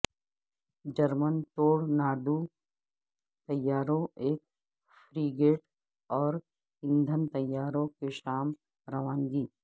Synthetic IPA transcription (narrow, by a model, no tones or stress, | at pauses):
d͡ʒɐɾmənt̪oːɽnaːɖu | t̪ɐjːaːɾõeːk̚ | fɾiːɡeːʈ | ɔːɾ | ɪ̃nd̪ʱənt̪ɐjːaːɾõkeʃaːm | ɾɐʋaːŋɡiː